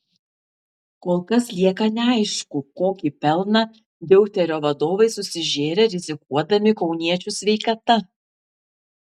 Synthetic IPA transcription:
koːlˠkɐslʲiɛkɐnʲɛɐɪʃkʊkoːkʲiːpʲɛlˠnɑ | d̪ʲɛʊt̪ʲɛɾʲoːʋɐd̪oːʋɐɪsʊsʲɪʒʲeːɾʲeɾʲɪzʲɪkuɔd̪ɐmʲɪkɒʊnʲiɛt͡ʃʲʊsʲʋʲɛɪkɐt̪ɐ

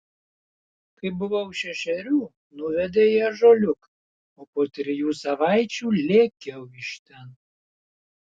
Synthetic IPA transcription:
kɐɪbʊʋɐʊʃʲɛʃʲɛɾʲuː | nʊʋʲɛd̪ʲeːɪɐʒoːlʲʊk | oːpoːt̪ʲɾʲɪjuːsɐʋɑˑɪt͡ʃʲuːlʲeːkʲɛʊɪʃt̪ʲɛn

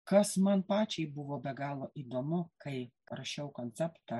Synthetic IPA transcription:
kɐsmɐnpɑːt͡ʃʲɛɪbʊʋoːbʲɛɡɑːlˠoːʔid̪oːmʊkɐɪ | ɾɐʃʲɛʊkonʲt̪t͡s̪ʲɛpt̪ɐ

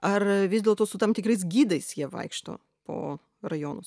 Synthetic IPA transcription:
ɐrʋʲɪzdʲeːlˠt̪oːsʊt̪ɐmt̪ʲɪkɾɐɪs̬ɡʲiːd̪ɐɪsjiɛʋɐ̰ɪkʃt̪o̰ː | po̰ː | rɐjoːnʊs

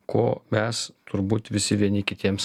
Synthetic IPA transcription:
kʰoːmʲɛst̪ʊɾbuːt̪ʋʲɪsʲɪʋʲiɛnʲɪkʲɪt̪ʲiɛms

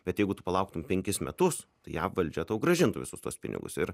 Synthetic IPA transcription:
b̥ʲɛt̪jɛɪɡʊt̪ʊpɐlˠɐʊk̚t̪ʊmpʲɛŋʲkʲɪsmʲɛt̪ʊst̪ɐɪjæʋɐlʲd͡ʒʲɛt̪ɐʊɡɾɐʒʲɪnt̪ʊʋʲɪ̰sʊst̪uɔspʲɪ̰nʲɪ̰ɡʊ̰sɪɾ

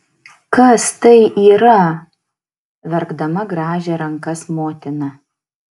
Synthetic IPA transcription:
kɐst̪ɐɪʔiːɾɐ | ʋʲɛɾɡd̪ɐmɐɡɾɑːʒʲɛɾɐŋkɐsmoːt̪ʲɪnɐ

